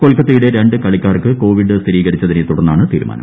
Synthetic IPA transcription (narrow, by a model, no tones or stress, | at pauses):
kolkːɐt̪ːijuɽe̞ɾe̞ɳɖɨkɐɭikʲːaːrkɨko̞ːʋiɖɨst̪ʰiɾiːɣɐɾit͡ɕːɐðinet̪uɽɐnːaːɳɨt̪iːɾuma̰ːnɐ̰mm